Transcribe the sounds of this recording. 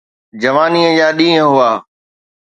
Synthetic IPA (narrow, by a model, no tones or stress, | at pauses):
d͡ʑɐʋaːniːə̃d͡ʑaːɗĩːə̃ɦʊaː